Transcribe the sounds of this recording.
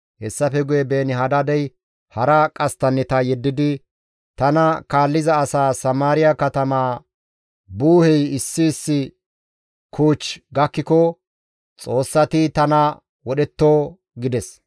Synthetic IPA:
hɛsːɐfɛɡʊjɛbe̞ːnɪɦɐd̪ɐd̪ɛj | hɐɾɐkʼɐst̪ɐnːɛt̪ɐjɛd̪ːɪd̪ɪ | t̪ɐnɐkaːlːɪzɐːsaːsɐmaːɾɪjɐkɐt̪ɐmaː | buːhɛjɪsːɪːsːɪ | kʰuːt͡ʃːɡɐkːɪkɔ | t͡sʼo̞ːsːɐt̪ɪt̪ɐnɐ | wɔɗɛt̪ːoː | ɡɪd̪ɛs

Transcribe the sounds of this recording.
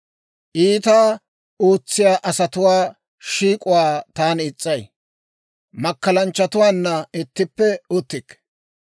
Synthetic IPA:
ʔiːt̪aː | oːt͡sːɪjaːʔɐsɐt̪ʊwaː | ʃiːkʼʊwaːt̪aːnɪt͡sʼːɐj | mɐkːɐlɐnt͡ʃːɐt̪ʊwaːnːɐɪt̪ːɪpːɛʊt̪ːɪkː

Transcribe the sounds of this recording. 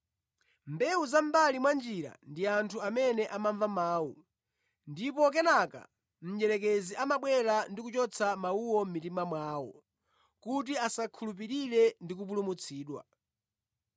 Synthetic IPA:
mbɛuzaɱbalimwand͡ʒiɾa̰ndiantʰuamɛnɛʔamaɱvamaːwu | ndipɔkɛnaka̰ | m̩d͡ʒɛɾɛk̬ɛziʔamaɓwɛlandikut͡ʃɔt͡sʰamauwɔm̩mitimamwaːwɔ̰ | kut̬iasakʰulup̬iɾiɾɛndik̬up̬ulumut͡sʰiːɗwa̰

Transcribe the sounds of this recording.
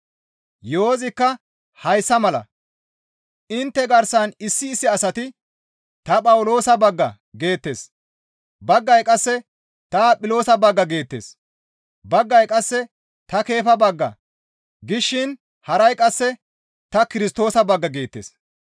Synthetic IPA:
joːzɪkːɐ | hɐjsːɐmɐlɐ̰ | ʔɪnt̪ːɛɡɐɾsɐnɪsːɪːsːɪɐsɐt̪ɪ | t̪ɐpʼɐwlo̞ːsɐbɐɡːɐ | ɡe̞ːt̪ːe̞̰ːs | bɐɡːɐjkʼɐsːɛ | t̪aːpʼɪlo̞ːsɐbɐɡːɐɡe̞ːt̪ːḛːs | bɐɡːɐjkʼɐsːɛ | t̪ɐke̞ːfɐbɐɡːɐ̰ | ɡɪʃːɪn | hɐɾɐjkʼɐsːɛ | t̪ɐkɪɾɪst̪o̞ːsɐbɐɡːɐɡe̞ːt̪ːḛːs

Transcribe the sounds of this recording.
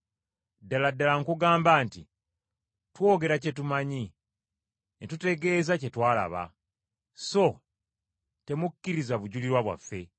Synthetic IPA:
dːaladːalaŋkuɡaːmbaːnti | two̞ːɡe̞ɾace̞tumaɲi | netute̞ɡe̞ːzace̞twaːla̰βa̰ | so̞ | te̞mukːiɾizaβuɟuliɾwaβwa̰fːe̞

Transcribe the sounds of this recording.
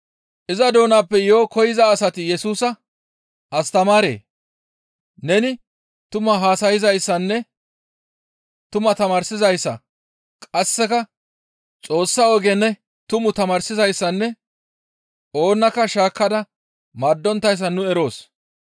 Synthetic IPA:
ʔɪzɐd̪o̞ːnaːpːɛjo̞ːkɔjɪzɐːsɐt̪ɪjɛsuːsɐ | ʔɐst̪ɐmaːɾḛː | nɛnɪ | t̪ʊmɐɦaːsɐjɪzɐjsːɐnːɛ | t̪ʊmɐt̪ɐmaːɾsɪzɐjsːɐ̰ | kʼɐsːɛkɐ | t͡sʼo̞ːsːɐɔɡɛnːɛ | t̪ʊmʊt̪ɐmaːɾsɪzɐjsːɐnːɛ | o̞ːnːɐkːɐʃaːkːɐd̪ɐ | mɐd̪ːɔnt̪ːɐjs̬ːɐnʊɛɾo̞ːs

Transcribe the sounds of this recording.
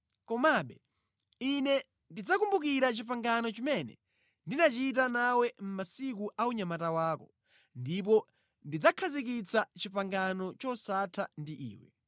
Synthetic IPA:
kɔmaɓɛ | inɛ | ndid͡zakumbukiɾat͡ʃipaŋɡanɔt͡ʃimɛnɛ̰ | ndinat͡ʃit̬anawɛm̩masik̬uʔauɲamatawaːkɔ | ndip̬ɔ | ndid͡zakʰazik̬it͡sat͡ʃipaŋɡanɔt͡ʃɔsatʰandiʔḭːwɛ̰

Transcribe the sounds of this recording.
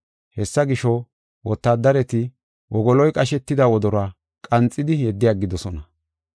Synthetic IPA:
hɛsːɐɡɪʃɔ | wɔt̪ːaːd̪ːɐɾɛt̪ɪ | wʔɔɡɔlɔjkʼɐʃɛt̪ːɪd̪ɐwɔd̪ɔɾa | kʼɐnt͡sʼːɪd̪ɪjɛd̪ːɪjaːɡɪd̪ɔsɔnɐ

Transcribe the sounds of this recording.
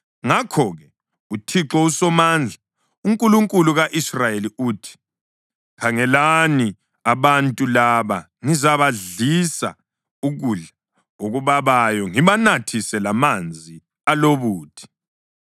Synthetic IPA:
ŋakʰɔɣɛ | utʰiǁɔusɔmand͡ɮʱa | uŋkʼuluŋkʼuluɣaʔisrajeliuːtʰi̥ | kʰaŋɛlani | aβantʼulaβa | ŋizaβaɮisa̰ | uɣuɮa | oɣuβaβajɔŋiβanatʰisɛlamand͡zʱi | aloβuːtʰi̥

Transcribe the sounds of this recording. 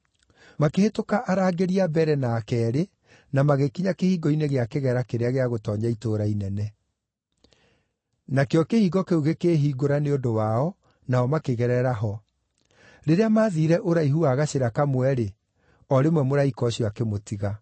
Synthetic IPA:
makehetokaʔaɾaːɡeɾiabɛɾɛnaːkɛːɾe | namaɣekiɲakehiːɡɔineɣeakeɣɛɾakeɾeaɣeaɣotɔːɲaitoːɾainɛnɛ | nakeɔkehiːɡɔkeuɣekeːɦiːɡoɾaneondowaɔ | naɔmakeɣɛɾɛɾaɦɔ | ɾeɾeamaːðiːɾɛʔoɾaiɦuaːɣaɕeɾakamwɛɾe | ɔɾemwɛmoɾaikɔɕiakemotiɣa

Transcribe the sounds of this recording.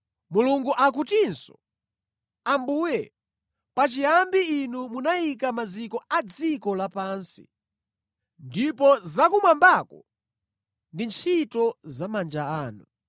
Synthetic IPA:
muluŋɡuʔak̬utinsɔ̥̰ | ambuːjɛ | pat͡ʃijambiinumunajikamad͡zikɔad͡zikɔlapaːnsḭ | ndipɔzakumwambakɔ̰ | ndint͡ʃʰitɔzamand͡ʒaaːnu

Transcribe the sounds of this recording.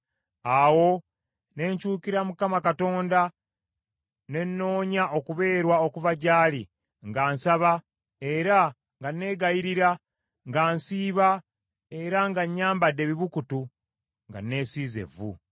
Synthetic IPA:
awo̞ | ne̞ɲcuːkiɾamukamakato̞ːnda | ne̞nːo̞ːɲaʔo̞kuβe̞ːɾwao̞kuvaɟaːli | ŋɡaːnsaβa | e̞ɾa | ŋɡanːe̞ːɡajiɾiɾa | ŋɡaːnsiːβa | e̞ɾaŋɡaɲːaːmbadːe̞βiβukutu | ŋɡa̰nːe̞ːsiːze̞̰vṵ

